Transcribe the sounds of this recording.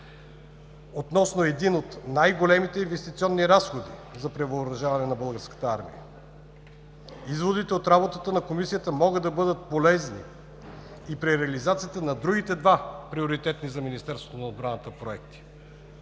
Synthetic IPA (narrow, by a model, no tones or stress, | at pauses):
ot̪nɔsnoɛd̪inot̪najɡolɛmit̪ɛinvɛst̪it̪siɔnːiɾasxod̪izɐpɾɛvəːɾɐʒavɐnɛnɐbɤlˠɡəɾskə̥t̪əaɾmḭjə̰ | izvod̪it̪ɛot̪ɾabot̪ət̪ənɐkomisijət̪əmɔɡəd̪d̪ɐbɤd̪ət̪̚polɛzniː | pɾiɾɛɐlizat̪sijət̪ənɐd̪ɾuɡ̟it̪ɛd̪vapɾioɾit̪ɛt̪nizɐminist̪ɛɾst̪o̥onɐod̪bɾanət̪əpɾoɛk̚t̪i̥